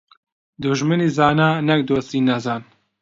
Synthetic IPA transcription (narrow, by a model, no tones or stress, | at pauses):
d̪uʒmɨniːzaːnaːnɛk̚d̪oːst̪iːnɐzaːn